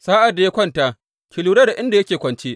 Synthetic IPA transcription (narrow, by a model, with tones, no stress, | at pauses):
saː˦ʔa˨dːa˨ja˦kʷɐ˦ntaː˦ | kʲʰɪ˨luː˦ɽɐ˦da˨ʔɪ˦nda˨jɐ˦kʲeː˨kʷɐ˨nt͡ʃeː˦ʔ